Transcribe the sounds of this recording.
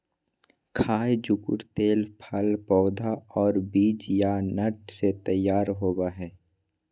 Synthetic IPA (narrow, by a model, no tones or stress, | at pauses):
kʰaːjd͡ʒʊkʊ̰ɾt̪eːlpʰəlpɔːd̪ʱaɔːɾbiːd͡ʒjanəʈset̪əjːaːɾɦoːbaɦɛː